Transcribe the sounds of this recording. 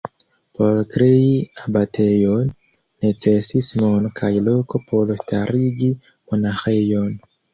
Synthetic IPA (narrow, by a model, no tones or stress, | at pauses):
po̞ɾkɾe̞iabate̞jonː | e̞t͡se̞sismonokʰajlo̞ko̞pʰo̞lstʰaɾiɡi | monaxe̞jo̞n